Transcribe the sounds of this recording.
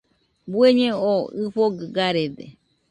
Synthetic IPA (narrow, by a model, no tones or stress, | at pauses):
bueɲẽoɨɸoɡɨɡaɾed̪ḛ